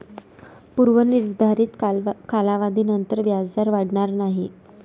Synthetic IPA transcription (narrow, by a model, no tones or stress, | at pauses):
puɾʋəniɾd̪ʱaɾiːt̪kʰalaʋad̪ʱiːnənt̪əɾʋjad͡zd̪aɾʋaɽɳaɾnaɦi